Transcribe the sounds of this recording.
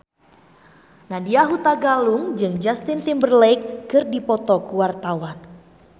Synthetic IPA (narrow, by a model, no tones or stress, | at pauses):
nadiaɦut̪aɡaluŋd͡ʒɨŋd͡ʒast̪int̪imbərlɛkːɨrdipɔt̪ɔkuwart̪awan